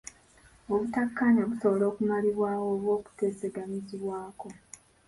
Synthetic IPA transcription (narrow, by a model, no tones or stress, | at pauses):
o̞βutakːaɲaβuso̞βolo̞ːkumaliβwaːwo̞ːβwo̞ːku̥te̞ːse̞ɡaɲiziβwaːko̞